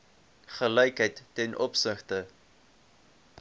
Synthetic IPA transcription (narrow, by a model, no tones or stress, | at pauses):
χəlɛjkɦəjtːɛnʔɔpsəχtə